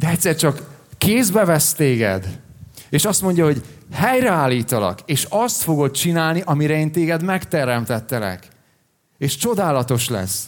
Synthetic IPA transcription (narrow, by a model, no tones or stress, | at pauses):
d̪ɛɛct̪ʲsɛrt͡ʃɒkːeːzbɛvɛst̪eːɡɛ̰d̪eːʃɒst̪mo̞ɲɟɒho̞ɟhɛjrɛaːlːiːt̪ɒlɒ̰keːʃɒst̪fo̞ɡo̞t̪̚t͡ʃinaːlniʔɒmiɾɛeːnt̪eːɡɛd̪mɛkt̪ɛɾɛmt̪ɛt̪ːɛlɛ̰k | eːʃt͡ʃo̞d̪aːlɒt̪o̞ʃlɛ̰s